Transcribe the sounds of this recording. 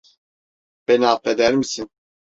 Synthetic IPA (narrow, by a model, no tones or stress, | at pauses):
b̥enaːp̪ed̪æɾmisin